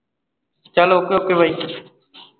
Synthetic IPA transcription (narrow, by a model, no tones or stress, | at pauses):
t͡ʃaloːkjoːkeʋəiː